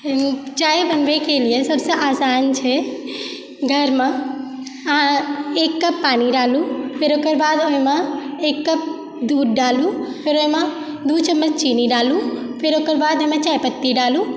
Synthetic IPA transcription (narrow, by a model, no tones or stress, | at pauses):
t͡ʃaːebənʋekelijesəbseʔaːsaːnt͡ʃʰɛ | ɡʱəɾmẽ | ɦãeːkːəpːaːniɖaːlũpʰɪɾoːkəɾbaːd̪oɦĩmeeːkːəp̚ | d̪uːɖɖaːlũpʰɪɾoime | d̪ut͡ʃəmːəd͡ʒt͡ʃiːniɖaːlũ | pʰɪɾokəɾbaːd̪oɦimẽt͡ʃaːjpət̪ːiɖaːlũ